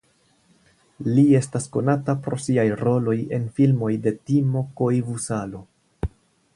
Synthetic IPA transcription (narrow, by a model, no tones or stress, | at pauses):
lie̞stasko̞natapɾo̞siajɾo̞lo̞je̞nfilmo̞jde̞timo̞koivusalo̞